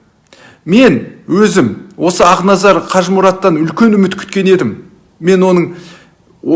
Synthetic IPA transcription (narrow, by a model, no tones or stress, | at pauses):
me̞nwɵzɪmwo̞səɑʁnɑzɑɾqʰɑʒmuɾɑt̪ːɑnʏlkʲe̞nʏmɪt̪kʲʰʏ̥t̪kʲe̞ne̞d̪ɪmː | e̞nwo̞nəɴ